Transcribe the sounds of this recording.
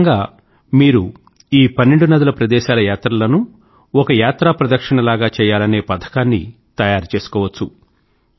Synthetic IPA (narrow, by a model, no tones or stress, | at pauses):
ŋɡaː | miːɾu | iːpɐnːeɳɖunɐd̪ɐlɐpɾɐd̪ɛːʃaːlɐjaːt̪ɾɐlɐnu | ɔkɐjaːt̪ɾapɾɐd̪ɐkʂɐɳɐlaːɡaːt͡ʃɛːjaːlɐne̞ːpɐd̪ʰʱɐ̥kaːnːḭ | t̪ɐjaːɾt͡ʃe̞ːsu̥kɔːʋɐt͡ʃːu